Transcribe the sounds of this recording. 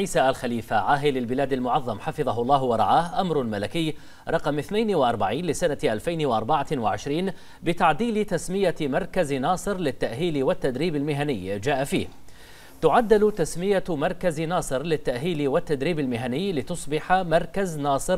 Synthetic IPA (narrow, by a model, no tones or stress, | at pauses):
ʕiːsaːʔalxaliːfaʕaːɦɪlɪlbɪlaːd̪almʊʕɑðˤːɑmħɑfɨðˤɑɦʊlˤːɑːhwɑɾˤɑ̰ʕaːhʔamɾʊmalakɪjː | ɾˤɑqmʔɪθnajnwaʔɑɾˤbaʕiːnlɪsanaʔalfajnwaʔɑɾˤbaʕawaʕɪʃɾiːn | bɪt̪aʕd̪iːlɪt̪asmɪjamɑɾˤkaznɑːsˤɨɾlɪt̪ːaʔɦiːlɪwat̪ːad̪ɾiːbalmɪɦanɪjːd͡ʒaːʔafḭːh | t̪ʊʕad̪ːɪlt̪asmɪjamɑɾˤkaznɑːsˤɨɾlɪt̪ːaʔɦiːlɪwat̪ːad̪ɾiːbalmɪɦanɪjːlɪt̪ʊsˤbɪħamɑɾˤkaznɑːsˤɨɾ